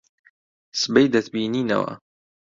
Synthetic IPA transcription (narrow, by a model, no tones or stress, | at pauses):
sɨbejd̪ɐt̪biːniːnɐ̰wɐ̰